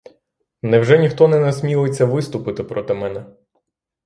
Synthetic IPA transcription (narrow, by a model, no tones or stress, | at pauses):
nɛwʒɛnʲixt̪ɔnɛnɐsʲmʲilˠjet͡sʲːɐʋɪst̪ʊpɪt̪ɪpɾɔt̪ɪmɛnɛ